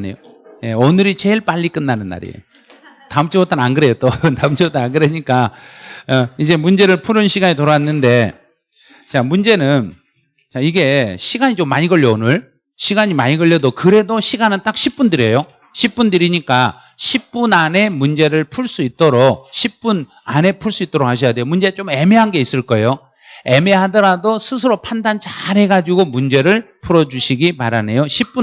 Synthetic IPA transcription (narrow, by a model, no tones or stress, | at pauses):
nḛjo | je̞ʌnɯɾit͡ɕe̞ɭp͈aʎːik͈ɯnːanɯnːa̰ɾḭ | taɯmt͡ɕʰiwʌt͈ananɡɯɾe̞jot͈otaɯmt͡ɕʰiʌt͈ananɡɯɾeɲik͈a | ʌid͡ʑe̞mund͡ʑe̞ɾɯɭpʰuɾɯnɕʰiɡaɲitoɾaanːɯnde̞ | t͡ɕamund͡ʑe̞nɯn | t͡ɕaiɡe̞ɕʰiɡaɲit͡ɕomːaɲiɡʌɭjoːnɯɭ | ɕʰiɡaɲimaɲiɡʌɭjʌdokɯɾe̞doɕʰiɡanɯnt͈ak̚ɕʰip͈undɯɾejo | ɕʰip̚p͈undɯɾiɲik͈a | ɕʰip̚p͈unane̞mund͡ʑe̞ɾɯɭpʰuɭs͈uit̚t͈ʌɾok̚ɕʰip̚p͈un | ane̞pʰuɭs͈uit͈ʌɾokhʰaɕ̬ʰʌjade̞jomund͡ʑe̞t͡ɕ͈ome̞me̞ɦanɡe̞is͈ɯɭk͈ʌejo | e̞me̞ɦadʌɾadosʰɯs̬ʰɯɾopʰandant͡ɕaɾɦe̞ɡad͡ʑiɡomund͡ʑe̞ɾɯɭpʰuɾʌd͡ʑuɕʰiɡimaɾane̞joɕʰip͈u